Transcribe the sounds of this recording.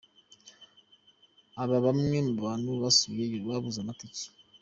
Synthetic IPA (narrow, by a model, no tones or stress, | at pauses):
aβaβamŋemuββaːnuβasuβaβuzamatici̥